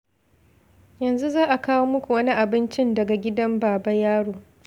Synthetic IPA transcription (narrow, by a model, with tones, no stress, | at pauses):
jɐ˨nzu˦zaː˦ʔa˨kaː˦woː˦mʊ˦kʷu˨wɐ˦ni˦ʔa˨bɪ˦nt͡ʃɪ˦ndɐ˨ɡa˨ɡʲɪ˦dɐ˦mbaː˨bɐ˦jaː˦ɽoː˨